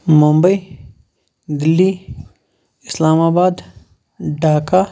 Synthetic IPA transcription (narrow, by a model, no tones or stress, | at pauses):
mʊmbəi | ɡ̪ɪlːi | ɪslaːmaːbaːd̪ | ɖaːka